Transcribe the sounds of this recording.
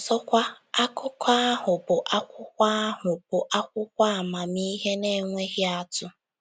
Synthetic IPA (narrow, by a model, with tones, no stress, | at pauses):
sɔ˦kʷa˦ | a˦kʊ˦kʰa˦a˦ɦʊ˨bʊ˨ʔa˦kʷʊ˦kʷa˦a˦ɦʊ˨b̥ʊ˨ʔa˦kʷʊ˦kʷa˦a˨ma˨mi˦ɦe˦ne˦ŋʷe˦ɣɪ˦a˦tʊ˦